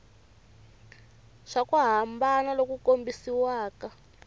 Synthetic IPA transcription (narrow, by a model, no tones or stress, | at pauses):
ʂakuɦambanalokukombisiwaːka